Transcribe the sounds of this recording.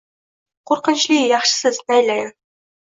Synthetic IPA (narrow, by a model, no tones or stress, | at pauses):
qoɾqə̆nɕlʲiːjɑχʃə̥̆səznæjlʲæj